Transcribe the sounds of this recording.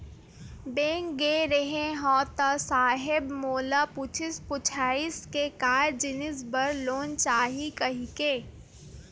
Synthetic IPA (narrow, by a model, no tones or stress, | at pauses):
bẽːŋɡeːɾeɦẽɦɔːt̪asaːɦɪbmoːlapʊt͡ʃʰɪspʊt͡ʃʰaːiskekaːɾd͡ʒɪnɪs̬bɐɾloːnt͡ʃaːɦikɐɦikeː